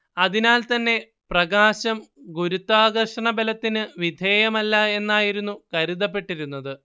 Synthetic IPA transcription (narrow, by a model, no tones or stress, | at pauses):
ɐðinaːlt̪ɐnːe̞ | prɐɡaːɕɐmɡuɾut̪ːaːɡɐrʂɐɳɐbelɐt̪ːinɨʋid̪ʱeːjɐmɐlːɐe̞nːaːjiɾunːukɐɾiðɐp̬ːe̞ʈːiɾunːɐðɨ